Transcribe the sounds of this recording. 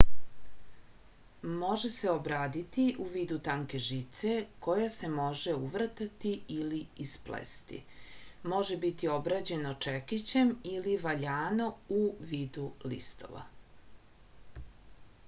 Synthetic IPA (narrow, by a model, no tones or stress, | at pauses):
mo̞ʒese̞obɾaːd̪it̪iʔuʋiːd̪ut̪aŋke̞ʒit̪se̞ko̞jase̞mo̞ʒeuʋr̩t̪at̪iiliisplḛst̪ḭmo̞ʒe̞bit̪io̞bɾad͡ʑe̞not͡ʃekit͡ɕe̞miliʋaʎaːnouʋiːd̪ulḭst̪o̞̰ʋa̰